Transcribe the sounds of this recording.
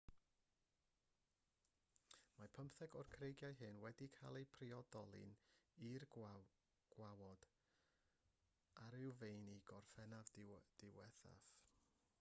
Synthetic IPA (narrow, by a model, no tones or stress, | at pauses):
mapʰəmpθɛɡɔrkʰrejɡjajɦɨnwɛdikʰalˠejpʰriɔdɔlˠɨ̰nir | ɡ̥wawɔd̥ | aɾɪwvejniɡɔrfɛnavd̥ɪwɛθa̰f